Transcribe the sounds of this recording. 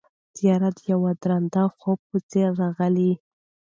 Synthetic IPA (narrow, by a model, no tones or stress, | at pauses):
z̥ijɑɾat̪jawad̪ɾand̪axob̚pət͡seɾːɑɣəli